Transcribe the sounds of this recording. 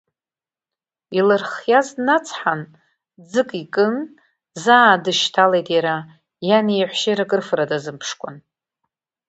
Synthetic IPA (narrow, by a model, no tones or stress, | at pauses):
ilɨrχjaznat͡sʰħan | d͡zɨkʼikʼɨn | zaːdɨʃtʰalejtʼjaɾa | janijħʷʃejɾakʼɨrfɨradazɨmpʰʂkʷʼa̰n